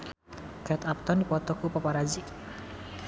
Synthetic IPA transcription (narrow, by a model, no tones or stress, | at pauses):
kɛt̪ap̚t̪ɔnipɔt̪ɔkupɔpaɾad͡ʒi